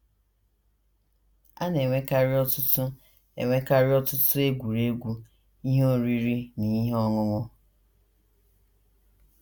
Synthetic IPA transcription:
a˦ne˨ŋʷe˦ka˦ɾɪ˦ɔ˦tʊ˦tʊ˦ | ḛ˨ŋʷe˦ka˦ɾɪ˦ɔ˦tʊ˦tʊ˦e˦ɡʷu˨ɾe˦ɡʷu˦ | i˦ɦe˦o˦ɾi˦ɾi˦ni˨i˦ɦe˦ɔ˦ŋʊ˦ŋʊ˦

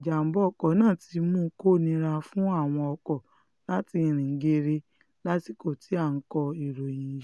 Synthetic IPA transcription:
d͡ʒa˨m̩˨bɔ˨˦ɔ˦˨kɔ˨˦nãː˦˨ti˧˦mũ˦ko˦˨nĩ˧ɾa˧fũ˦a˦˨w̃ɔ̃˧ɔ˧kɔ˨ | la˦ti˧˦ĩ˨ɾ̃ĩ˨ŋ̩˦ɡe˧ɾe˧ | la˦ti˦ko˦˨ti˨˦a˦˨n̩˦kɔ˧i˨ɾõ˨ĩ˨˦

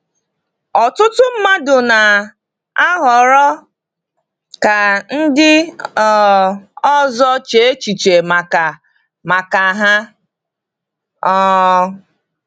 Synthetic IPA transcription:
ɔ˨tʊ˦tʊ˦m̩˦ma˦dʊ˨na˨ | a˦ɦɔ˨ɾɔ˦ | ka˨n̩˦dɪ˦˨ | ɔ˦zɔ˦t͡ʃe˨e˦t͡ʃi˨t͡ʃe˨ma˨ka˨ | ma˨ka˨ɦa˦ | ɔ˦

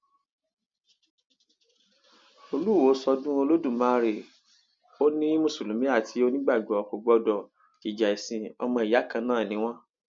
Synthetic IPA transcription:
o˧lu˦wo˨˦sɔ˧dũ˦o˧lo˦dũ˦˨mãː˨˦˧ɾe˨ | o˦nĩ˦mũ˦˨su˨lũ˨˦mĩ˦a˦˨tʰi˨˧˦o˦nĩ˦ɡ͡ba˦˨ɡ͡bɔ˨ko˨ɡ͡bɔ˧dɔ˨ | ki˨d͡ʒa˨i˨sĩ˨ɔ˧mɔ̃˧i˨ja˨˦kã˧nãː˦˨nĩ˨˦w̃ɔ̃˦

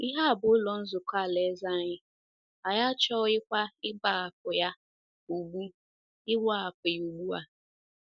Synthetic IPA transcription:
i˦ɦa˦a˨bʊ˨ʊ˦lɔ˨n̩˦zʊ˨ka˦˨le˨˦za˦˨ɲɪ˦ | a˨ja˦t͡ʃɔ˦ɪ˦kʷa˦ɪ˦ba˨a˨p̚ʊ˨ja˦ | u˨ɡ͡bu˦ | ɪ˦wa˨a˨pɪ˨ju˨ɡ͡bu˦a̰˨

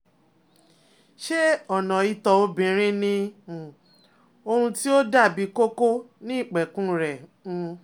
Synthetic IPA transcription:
ʃe˦ɔ˦˨nã˨i˦tɔ˧o˦bĩ˨ɾ̃ĩ˦nĩ˧˨ | o˧ɾ̃ũ˧ti˦o˦da˦˨bi˨˦ko˦ko˦nĩ˦i˦˨k͡pɛ˨kũ˦˨ɾɛ̃˨˧

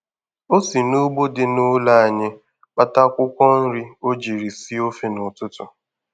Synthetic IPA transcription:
o˦si˨no˦ɡ͡bo˦dɪ˨nʊ˦la˦˨a˨ɲɪ˦ | k͡pa˦ta˦kʷʊ˦kʷɔ˦n̩˦ɾi˦o˦d͡ʒi˨ɾi˨si˦o˦fi˨nʊ˨tʊ˦tʊ˨

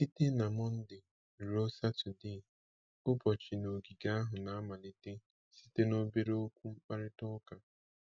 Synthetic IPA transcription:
i˦te˦na˨mɔ˦n̩˦dɪ˨ | ɾo˦sa˦tʊ˨de˦˨ | ʊ˦bɔ˨t͡ʃɪ˨no˨ɡi˨ɡa˦a˦ɦʊ˨na˨a˦ma˨li˨te˦ | si̥˦te˦no˦be˦ɾe˦o˦kʷu˦ŋ͡m̩˦k͡pa˦ɾɪ˦tɔ˦ka˨

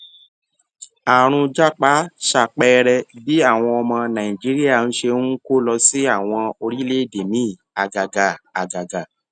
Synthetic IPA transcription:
a˨ɾ̃ũ˧d͡ʒa˦k͡pa˨˦ʃa˧˨k͡pɛ˦ɾɛ˧bi˨˦a˦˨w̃ɔ̃˧ɔ˧mɔ̃˧nã˨ĩ˨d͡ʒi˦ɾi˦a˦˨ñ̩˦ʃe˧nũ˦ko˦lɔ˧si˦a˦˨w̃ɔ̃˧o˧ɾi˦le˦˨de˨mĩ˦˨ | a˨ɡa˨ɡa˨a˨ɡa˨ɡa˨

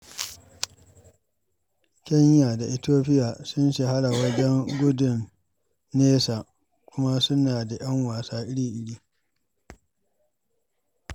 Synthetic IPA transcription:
kʲɛ˦ɲːa˨da˨ʔɪ˨toː˦ɸɪ˦ja˨sʊ˦nʃe˨ha˦ɽa˨wɐ˦d͡ʒɛ˦ŋɡʷʊ˦dʊ˨nː | eː˦sa˨ | kʷʊ˦ma˦sʊ˦naː˨da˨j̰ɐ˦ŋwaː˨saː˦ʔɪ˦ɽiː˦ʔɪ˨ɽiː˦

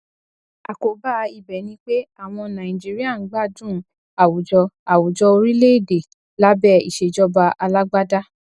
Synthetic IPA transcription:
a̰˨ko˨ba˦i˨bɛ˨˦nĩ˧k͡pe˦a˦˨w̃ɔ̃˧nã˨ĩ˨d͡ʒi˦ɾi˦a˦˨n̩˨˦ɡ͡ba˦˨dũ˦˨ | a˨wu˨d͡ʒɔ˧a˨wu˨d͡ʒɔ˧o˧ɾi˦le˦i˦˨de˨ | la˦bɛ˦˨ḭ˨ʃe˨d͡ʒɔ˦ba˧ʔa˧la˦ɡ͡ba˦da˦

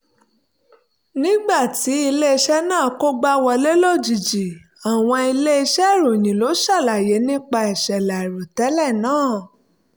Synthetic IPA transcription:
nĩ˦ɡ͡ba˦˨ti˨˦i˧le˦i˧ʃɛ˦nãː˦˨ko˦ɡ͡ba˦wɔ˧le˦lo˦˨d͡ʒi˨d͡ʒi˨ | a˨w̃ɔ̃˧i˧le˦i˧ʃɛ˦˨ɾo˨j̃ĩ˨lo˨˦ʃa˦˨la˨je˨˦nĩ˦k͡pa˧ɛ˨ʃɛ˨la˨i˨ɾo˨tɛ˨˦lɛ˦˨nãː˦˨

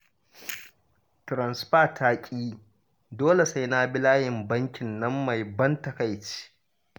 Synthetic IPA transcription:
tɾɐ˨nsɸaː˦˨tʰaː˦kʲʼiː˦ | doː˦le˨sa˦jnaː˦bɪ˦laː˦jɪ˨mbɐ˦ŋkʲɪ˨nːɐ˦mːa˨jbɐ˦ntɐ˨ka˦jt͡ʃi̥ː˦

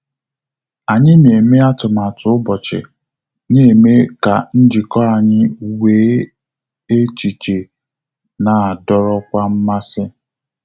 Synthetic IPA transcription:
a˨ɲɪ˦ne˨me˦a˦tʊ˨ma˨tʰʊ˨ʊ˦bɔ˨t͡ʃɪ̰˨ | ne˦˨e˨me˦ka˨n̩˦d͡ʒɪ˨kɔ˦a˨ɲɪ˦˨weː˨˦ | e˦t͡ʃi˨t͡ʃe˨ | na˨a˨dɔ˨ɾɔ˦kʷa˦m̩˦ma˦sɪ˦

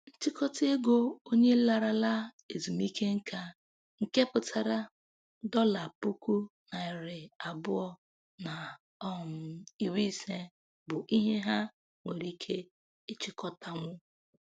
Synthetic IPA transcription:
n̩˦t͡ʃi˦kɔ˦te˦ɡo˦o˦ɲe˦la˨ɾa˨la˦ | e˨zi˨mi˦ke˦ŋ̩˦ka˦ | ŋ̩˨ke˦pʊ˨tʰa˦ɾa˦ | dɔ˦la˨pu˦ku˦na˨ɪ˨ɾɪ˨a˨bʊ˦ɔ˦ | na˨ | ɔ˦ɦʊ˨m̩˦i˦˨wi˦se˦ | bʊ˨ʔi˦ɦe˦ɦa˦ | ŋʷe˨ɾi˦kʰe˦ | ɪ˦t͡ʃi˨kɔ˦ta˦˨ŋʷʊ˦

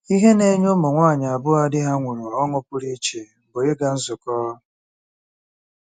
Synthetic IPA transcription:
i˦ɦe˦ne˦ɲʊ˦mʊ˨ŋʷa˦˨ɲa˨a˨bʊ˦a˦dɪ˦ɦa˦ŋʷʊ˨ɾʊ˨ɔ˦ŋʊ˦pʊ˦ɾi˦t͡ʃe˨bʊ˨ɪ˦ɡa˦n̩˦zʊ˨kɔː˦

